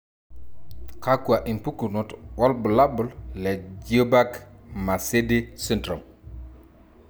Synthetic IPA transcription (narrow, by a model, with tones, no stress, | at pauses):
ka˦ku˨a˨ʔi˨npu˦ku˨nu˨twa˦lbu˨la˦bu˨llɛ˨d͡ʒə˦ba˦kma˨se˦di˦si˦ntɾo˨m